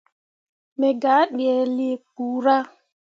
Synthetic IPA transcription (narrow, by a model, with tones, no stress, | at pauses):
me˨ɡa˨˦ɗi˨ɛ˨li˨˦˨ku˨ɾa˦